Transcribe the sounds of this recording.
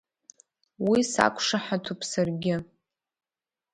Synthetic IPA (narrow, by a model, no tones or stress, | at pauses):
wisa̰kʷʰʂaħatʰupʰsarɡʲɪ